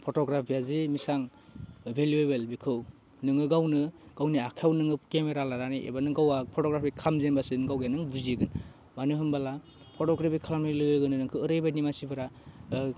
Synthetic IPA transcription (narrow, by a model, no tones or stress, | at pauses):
pʰotɔɡɾapʰijazimisaŋ | bʱeljuebelbikʰɯw | nɯŋɯɡawnɯɡ̥awniakʰawnɯŋɯpkemeɾalaɾaniʔḛbanɯɡawapʰɔtɔɡɾapʰikʰamzenbasinɯɡawjanɯŋbuziɡɯn | manɯɦɯmbala | pʰɔtɔɡɾapʰikʰalamilɯjɯɡɯnɯnɯŋkʰɯɯɾɯjbanimasibɯɾa